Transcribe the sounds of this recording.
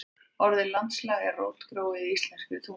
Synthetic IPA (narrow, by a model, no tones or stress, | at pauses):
ɔɾðɪlant̪slaːɣarowt̪kɾoːwɪist̪lɛnrkʏ̥θu